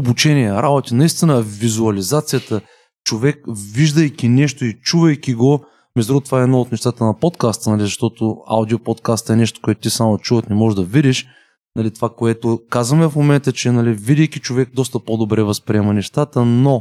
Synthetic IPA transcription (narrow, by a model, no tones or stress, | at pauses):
obut͡ʃɛniɛɾabot̪inɐist̪inəvizuɐlizat̪sijət̪ə | t͡ʃovɛkviʒd̪əjkʲinɛʃt̪oit͡ʃuvɐjkʲiɡo | mɛzd̪ɾɔt̪vaɛd̪noot̪nɛʃt̪at̪ənɐpot̪kast̪ənɐlizɐʃt̪ɔt̪oa̰wd̪iopot̪kast̪ɛnɛʃt̪o̥koɛt̪ʊt̪isamot͡ʃuvət̪nɛmɔʒd̪ɐvid̪iʃ | nɐlit̪ovakoɛt̪okazvɐmɛfmomɛnt̪ət͡ʃɛnɐlivid̪ijkʲit͡ʃovɛk̚d̪ɔst̪əpod̪obɾɛvɐspɾiɛmɐnɛʃt̪at̪əno